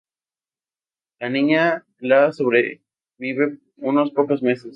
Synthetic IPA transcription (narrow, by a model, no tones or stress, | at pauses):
lanĩɲa | lasoβɾe | βiβe | unospokozmeses